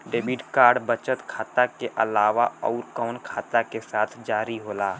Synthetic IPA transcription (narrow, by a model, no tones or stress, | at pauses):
ɖeːbiʈkaːɾɖbət͡ʃət̪kʰaːt̪akeʔɐlaːʋaɔːɾkɔːnkʰaːt̪akesaːt̪ʰd͡ʒaːɾiɦoːlaː